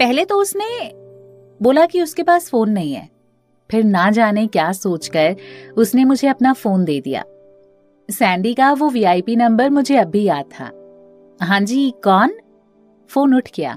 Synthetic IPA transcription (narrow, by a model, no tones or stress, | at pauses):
pɛɦlet̪oʊsne | boːlakiʊskepaːsfoːnːɐɦĩɦɛ̰ː | pʰɪɾnad͡ʒaːnekjaːsoːt͡ʃkɐɾʊsnemʊd͡ʒʱeɐpnafoːnd̪eːd̪ḭja̰ː | sɛ̃ːɳɖikaʋoʋiːaːipinɐ̃mbəɾmʊd͡ʒʱeɐbʱijaːd̪̚t̪ʰa̰ː | ɦãːd͡ʒiːkɔːn | foːnʊʈʰkija̰ː